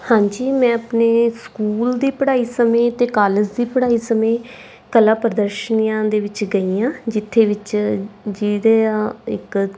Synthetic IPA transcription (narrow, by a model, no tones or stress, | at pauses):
hãːɲd͡ʒiːmɛ̃ːəpneːskuːld̪iːpəɽaːiːsəmẽːt̪eːkaːləd͡ʒd̪iːpəɽaːiːsəmẽː | kəlaːpɾəd̪əɾʃəniːãːd̪eːʋɪt͡ʃɡəiːãːd͡ʒɪt̪ʰːeːʋɪt͡ʃd͡ʒid̪eɪ̰k